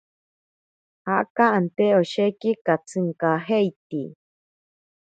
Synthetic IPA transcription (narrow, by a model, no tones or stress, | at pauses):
haʔkaʔant̪eoʃekikat͡sɨŋkaɦejt̪i